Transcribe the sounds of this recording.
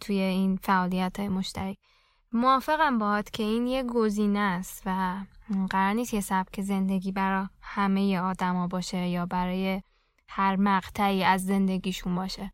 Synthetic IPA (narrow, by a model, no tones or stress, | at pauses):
t̪ʰuje̞infæʔɒːlijæt̪ʰɒjemo̞ʃt̪ʰæɾi | moɒːfe̞ɣæmbɒhɒt̪cʰe̞iːnjeɡoziːnest̪væɢæɾɒːɾniːst̪jesæb̥̚cʲʰe̞ze̞nd̪e̞ɡiːbæɾɒhæme̞jeɒːd̪æmɒːbɒːʃejɒːbæɾɒːje | hæɾmæɣt̪ʰæiːæzːe̞nd̪e̞ɡiːʃunbɒːʃe